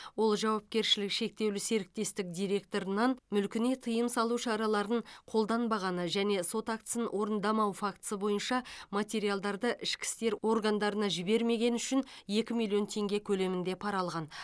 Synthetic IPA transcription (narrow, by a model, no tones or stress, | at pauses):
wo̞lˠʒɑwɑp̚kʲe̞ɾʃɪlɪkʃe̞k̚t̪e̞wlɪse̞ɾɪk̚t̪e̞st̪ɪk̚d̪ijɾe̞k̚t̪o̞ɾənɑnmʏlkʲɪne̞t̪ʰəjəmsɑlˠuʃɑɾɑlˠɑɾəɴqʰo̞lˠd̪ɑnbɑʁɑnəʒæne̞so̞t̪ak̚t̪ə̥sənwo̞ɾənd̪ɑmɑwfakt̪ə̥səbo̞jənʃɑmat̪ʲe̞ɾijalˠd̪ɑɾd̪əʔɪʃkʲɪ̥st̪e̞ɾwo̞rɡand̪ɑɾənɑʒɪbe̞ɾme̞ɡʲe̞nʏʃɪnje̞kʲɪmʲijlʲˠjo̞nt̪ʰe̞ŋɡʲekʲʰɵle̞mɪnd̪e̞pʰɑɾɑlˠʁɑn